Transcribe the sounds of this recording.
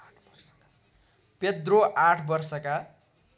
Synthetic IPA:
ped̪roʔaʈʰbʌrsʌka

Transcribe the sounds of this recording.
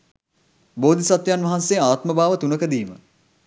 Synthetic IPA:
boːd̪isat̪janʋɐɦansejaːt̪məbaːʋət̪unəkəd̪iːmə̰

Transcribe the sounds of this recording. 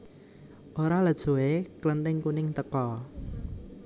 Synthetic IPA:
ʔoɾaləd̥ʒ̥o̤eklənt̪ɪŋkunɪŋt̪əkɔ

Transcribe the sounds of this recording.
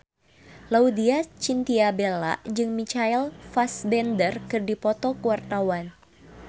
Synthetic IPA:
laudiat͡ʃint̪iabela̰ʔd͡ʒɨŋmit͡ʃailfasbɛndərkɨrdipɔt̪ɔkuwart̪awan

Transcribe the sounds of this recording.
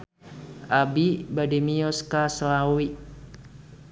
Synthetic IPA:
ʔabibadimiɔskaslawi

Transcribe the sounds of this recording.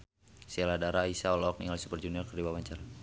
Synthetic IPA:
seladaɾaisaɔlɔk̚niŋalisu̥pərd͡ʒuniɔlkərdibawaɲt͡ʃar

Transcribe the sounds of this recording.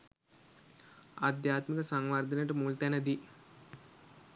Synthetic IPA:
a̰d̪jaːt̪mikəsaŋʋard̪ʱənəʈəmuːlt̪ænəd̪i

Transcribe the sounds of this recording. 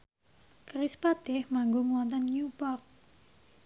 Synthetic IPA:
kɾispat̪ɪhmaŋɡoŋuwɔnt̪ɔnjupɔk̚

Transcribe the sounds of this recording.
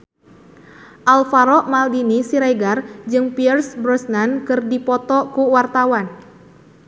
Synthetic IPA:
ʔalfaɾɔʔmaldinisiɾajɡard͡ʒɨŋpiɛrsbɾɔsnankɨrdipɔt̪ɔkuwart̪awan

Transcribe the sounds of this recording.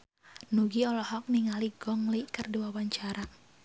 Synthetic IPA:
nuɡiɔlɔhɔk̚niŋaliɡ̥ɔŋlikərduwawaɲt͡ʃaɾa

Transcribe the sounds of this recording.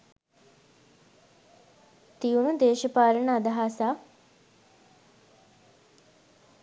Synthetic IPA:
t̪iunud̪eːʃəpaːɾəɳəːd̪ɐɦaːsaː

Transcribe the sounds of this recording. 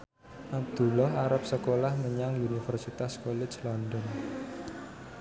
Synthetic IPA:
ʔab̚d̪̥ulɔɦaɾap̚səkolahməɲaŋunifərsit̪askolet͡ʃlɔndɔn

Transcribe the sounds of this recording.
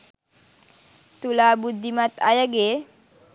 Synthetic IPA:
t̪ulabud̪ːimat̪ajaɡe

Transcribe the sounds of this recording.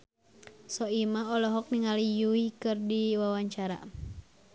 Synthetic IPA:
sɔimaɔlɔɦɔk̚niŋalijuikɨrdiwawaɲt͡ʃaɾa̰

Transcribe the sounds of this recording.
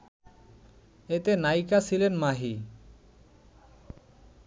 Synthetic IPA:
et̪enajkasʰilenmaɦi

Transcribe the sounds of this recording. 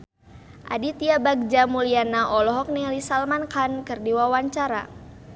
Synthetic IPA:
ʔa̰dit̪iabaɡ̚d͡ʒamulianaʔɔlɔɦɔk̚nɛlisalmankankərdiwawaɲt͡ʃaɾa̰

